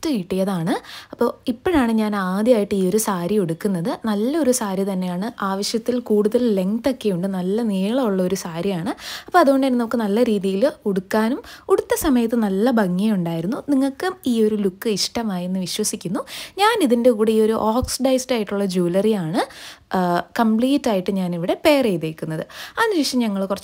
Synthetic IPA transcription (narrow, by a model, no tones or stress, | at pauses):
tːɨiːʈːijɐðaːɳɨɐpːo̞ːipːoɽaːɳɨɲaːnaːd̪jaːjiʈːɨiːo̞ɾusaːɾioɽukːunːɐðɨnɐlːɐo̞ɾusaːɾjit̪ɐnːe̞jaːɳɨʔaːʋɐɕjɐt̪ːilkuːɽuðɐlle̞ŋt̪o̞kːe̞juɳɖɨnɐlːɐniːɭɐuɭːɐo̞ɾusaːɾijaːɳɨɐpːɐːɐðuɣo̞ɳɖɨninɐmukːɨnɐlːɐɾiːðijiloɽukːaːnumuɽut̪ːɐsɐmɐjɐt̪ːɨnɐlːɐbʱɐŋːijjuɳɖaːjiɾunːuniŋːɐɭkːɨiːo̞ɾulukːɨiʂʈɐmaːjenːɨʋiɕwɐsikʲːunːuɲaːniðinde̞kuːɽeiːo̞ɾuʔoːksɖɐjstaːjiʈːuɭːɐd͡ʑuːlɐrijaːɳɨ | kɐmpɭiːtːaːjiʈːɨɲaːniʋiɽe̞pe̞ːrejðeːkʲːunːɐðɨaːniʋʂjɐmɲɐŋːɐɭkurɐt͡ɕː